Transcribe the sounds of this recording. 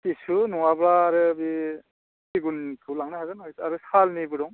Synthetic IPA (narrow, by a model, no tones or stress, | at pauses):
tisunɔŋabɾaːɾɯbi | siɡuntʰulaŋnaɦazanɦojsaɾɯsalnibɯɾɔŋ